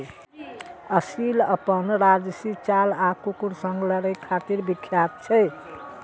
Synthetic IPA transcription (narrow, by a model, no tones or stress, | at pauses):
əsiləpənɾad͡ʒsit͡ʃalakukuɾsəŋɡləɾəkʰːat̪iɾbikʰːjat̪̚t͡ʃʰɛj